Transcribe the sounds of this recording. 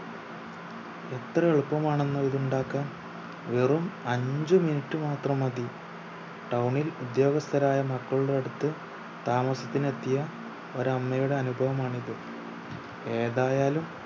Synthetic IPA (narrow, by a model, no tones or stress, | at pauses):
e̞t̪rɐeɭpːɐmaːɳe̞nːɨiðuɳɖaːkːaːm | ʋerumɐɲd͡ʑɨminiʈːɨmaːt̪rɐmɐði | ʈɐwɳilud̪jo̞ːɡɐst̪ʰɐɾaːjɐmɐkːɐɭuɽeɽut̪ːɨ | t̪aːmɐsɐt̪ːinet̪ːijɐ | o̞ɾɐmːɐjuɽe̞ɐnubʱɐʋɐmaːɳiðɨ | e̞ːðaːjaːlum